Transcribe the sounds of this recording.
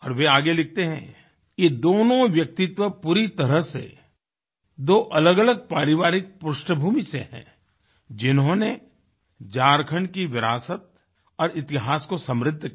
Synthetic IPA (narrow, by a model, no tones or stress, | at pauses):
ɔːɾʋeaːɡelɪk̚ʰt̪eɦɛ̰̃ | jed̪oːnõʋjɐk̚t̪ɪt̪ʋəpuɾit̪ɐɾəɦsḛ | d̪oːʔɐləɡɐləɡ̚paːɾɪʋaːɾɪk̚pʊʃʈəbʱuːmiseɦɛ̰̃ː | d͡ʒɪnɦõːne | d͡ʒaːɾkʰəɳɖkiʋɪɾaːsət̪̚ | ɔːɾɪt̪ɪɦaːskosɐ̃mɾɪd̪ʱː